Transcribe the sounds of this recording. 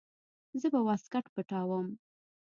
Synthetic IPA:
zəbawɑskaʈpəʈɑwəm

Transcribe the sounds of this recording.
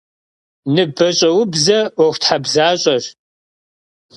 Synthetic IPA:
nɨbɐɕʼɐwʊbzɐwɔxʷtħabzaːɕʼɐɕ

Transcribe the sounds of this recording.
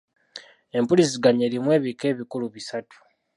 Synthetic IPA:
e̞mpulisiɡaɲe̞limwe̞ːβike̞ːβikuluβisatu̥

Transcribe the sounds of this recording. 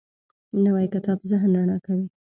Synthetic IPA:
nawajkɪt̪ɑbzɪɦnɾaɳɑkawi

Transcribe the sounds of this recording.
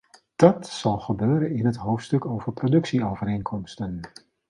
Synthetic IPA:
d̥ɑtsɑlˠχəbøːɾənɪnɦətɦowftstɵkoːvərprodɵksiowvərejnkʰɔmstən

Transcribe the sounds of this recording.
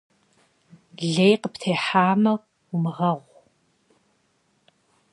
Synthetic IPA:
ɮejqəptʰeːħaːmɐ | ʊmɨʁɐʁʷ

